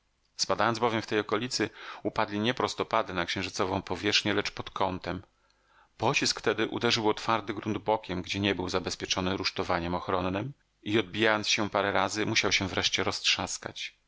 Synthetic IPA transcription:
spad̪ajɔnzbɔvʲjɛmft̪ɛjɔkɔlʲit̪sɘupad̪lʲiɲɛpɾɔst̪ɔpad̪ɘnakɕɛ̃w̃ʐɘt̪sɔvɔ̃w̃pɔvʲjɛʂxɲɛlɛt͡ʂpɔt̪kʰɔnt̪ɛm | pɔt͡ɕiskft̪ɛd̪ɘʔṵd̪ɛʐɘwɔt̪faɾd̪ɘɡɾund̪bɔkʲɛmɡd͡ʑɛɲɛbɘwzabɛspʲjɛt͡ʂɔnɘɾuʂt̪ɔvaɲɛmɔxɾɔnːɘm | iɔd̪̚bʲijajɔnt̪sɕɛpaɾɛɾazɘmuɕawɕɛvɾɛʂt͡ɕɛɾɔstʂaska̰t͡ɕ

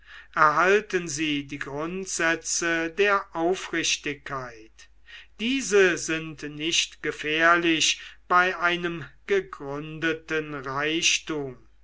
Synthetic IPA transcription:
ʔɛɐɦaltənziːdiːɡʁʊntz̥ɛt͡sədeːɐʔaʊfʁɪʃtɪkʰːaɪt | d̥iːzəzɪntnɪʃtɡ̥əfɛːɐlɪɕb̥aɪʔaɪnəmɡ̥əɡʁʏndətənʁaɪʃtuːm

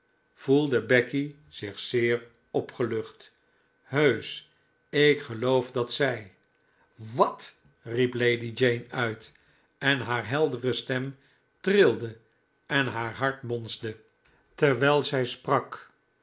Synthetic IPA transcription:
v̥ulˠdəbɛki | z̥ɪχsɪːɹ | ɔpχəlɵχt | ɦøɥs | ɪkχəlowfdɑtsɛj | ʋɑt | riplejdid͡ʒejnœɥt | ɛnɦaːɹɦɛlˠdərəstɛm | trɪlˠdə | ɛnɦaːɹɦɑɹtmɔnzdə | tɛɹʋɛlˠzɛjsprɑk

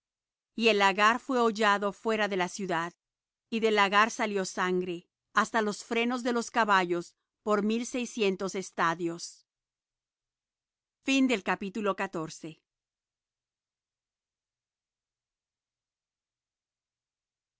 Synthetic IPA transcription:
ie̞laɣaɾfwe̞oʝaðo̞fwe̞ɾaðe̞lasjuðað | iðe̞laɣaɾsaljo̞saŋɡɾe̞ | ast̪alo̞sfɾe̞no̞zðe̞lo̞skaβaʝo̞s | po̞ɾmilse̞jsje̞nt̪o̞se̞st̪aðjo̞s | find̪e̞lkapit̪ulo̞kat̪o̞ɾse̞

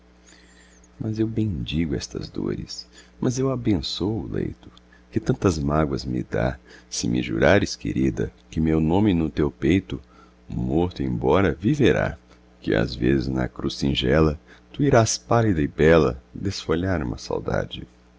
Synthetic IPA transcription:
mɐzewbẽj̃d͡ʒiɡʊɛst̪ɐ̰zd̪oɾɪsmʔɐzewabẽsowʊlḛjt̪ʊ̥ | kɪt̪ɐ̃nt̪ɐzmaɡwɐzmɪ̰d̪asɪmʔɪʒuɾaɾɪskḛɾid̪ɐ̰kɪmewnõmɪnʊt̪ewpejt̪ʊ | moɾt̪ʊẽj̃bɔɾɐviveɾa̰ | kɪa̰zvezɪznɐ̰kɾusĩʒɛlɐt̪uiɾaspalid̪ɐɪbɛlɐ̰d̪esfoʎaɾũmɐsa̰wd̪a̰d͡ʒɪ

